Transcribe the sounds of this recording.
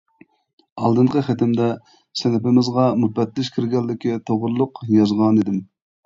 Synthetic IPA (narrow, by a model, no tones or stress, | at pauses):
ɑlˠd̪ɨɴqʰəχɛt̪ʰɪmd̪ɛ | sɛnɪpɪmɪzʁɑmut̪̚bɛt̪lɪʃkʲʰiɾɡʲɛlːɪkʲit̪ʰoʁʊɾlˠʊqjɑzʁɑnid̪ɪm